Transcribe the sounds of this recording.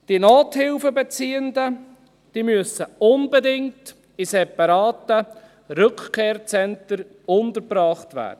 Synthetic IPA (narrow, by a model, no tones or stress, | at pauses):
d̥inoːthɪlfəbɛt͡siːəndə | d̥iːmyəsəʊnbɛdɪŋt | isɛpɑɾɑːtə | ɾʏkχkʰeːrt͡sɛntəɾ | ʊntəɾbɾɑːχtvæ̰ːɾd̥ə